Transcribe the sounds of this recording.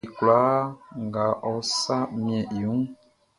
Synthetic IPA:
kla˨˦ŋɡa˨ʔɔ˦sa˦mĩ˦ɛ̃˨ju˦ŋ

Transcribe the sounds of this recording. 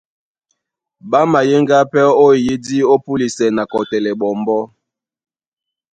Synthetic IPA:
ba˦ma˨je˦ŋɡa˦pɛ˦o˦i˨ji˦di˦o˦pu˦li˨sɛ˨na˨kɔ˨tɛ˨lɛ˨ɓɔ˨mbɔ˦

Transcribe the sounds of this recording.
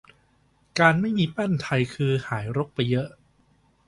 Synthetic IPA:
kaː˧nma˥˩jmiː˧pa˥˩nt̪ʰa˧jkʰɯː˧haː˩˦jɾo˦˥k̚pa˧jːɤ˦˥ʔ

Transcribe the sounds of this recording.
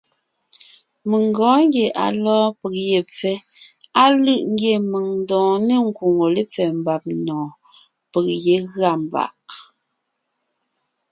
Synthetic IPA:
mə˨ŋ˨ɡɔ̃ː˨˦ŋ˦ɡje˨ʔa̰˨lɔː˦pə˨k̚je˨p͡fɛ˦a˦lɯ˦ʔŋ̩˦ɡje˨mə˨ŋn˦dɔ̃ː˨ne˦˨ŋ̩˦˨ku˨ŋo˨le˦p͡fɛ˨m̩˨ba˨p̚nɔ̃ː˨ | pə˨k̚je˨˦ɣɰa˦˨m˨ba̰˨ʔ

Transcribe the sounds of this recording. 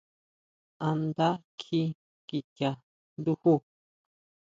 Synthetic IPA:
ã˧nd̪a˦kʰi˧˦ | ki˨ta˨ | nd̪u˦hu˦

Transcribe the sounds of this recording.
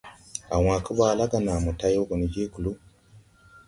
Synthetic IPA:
a˨waː˨ku˦βaː˨la˦ɡa˨na˨mu˨ta˦jo˦ku˨ni˨ɟe˦ku˨lu˦

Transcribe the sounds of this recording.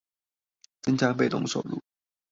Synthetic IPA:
t͡sɤ˥ŋt͡ɕja˥pe˥˩ɪt̪ʊ̰˧˥ŋʂo˨˩ʊlṵ˥˩

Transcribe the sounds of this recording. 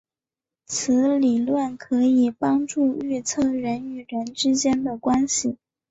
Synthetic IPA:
t͡sʰɹ̩˧˥li˨˩lwə˥˩nkʰɤ˧˥i˨˩pɑ˥ŋʈ͡ʂu˥˧y˥˧t͡sʰɤ˥˩ɻə˧˥ny˨˩ɻə˧˥nʈ͡ʂɻ̩˥t͡ɕjɛ˥nd̪ə˨kwa˥nɕi˨˩

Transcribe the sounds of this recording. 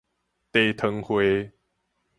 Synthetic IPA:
t̪e˨˧t̪ʰə˧ŋhwe˨˧˦

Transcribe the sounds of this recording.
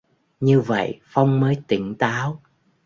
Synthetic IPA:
ɲɨ˧və̰˧˨jfa˧wŋ͡mməː˨˦jt̪ï˧˩ŋt̪aː˨˦w

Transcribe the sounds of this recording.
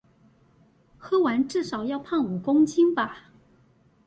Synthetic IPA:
xɤ˥wa˧˥nʈ͡ʂɻ̩˥˩ʂɑ˨˩ʊjɑ˥˧ʊpʰa˥˩nu˨˩kʊ˥ŋt͡ɕʰi˥ŋba˨˩

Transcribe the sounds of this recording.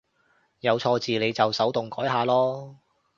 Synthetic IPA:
jɐ˨˧wt͡ʃʰɔː˧t͡siː˨le˨˧jt͡sɐ˨wsɐ˨˥wt̪ʊ˨ŋkɔː˨˥jɦaː˨˧lɔː˥

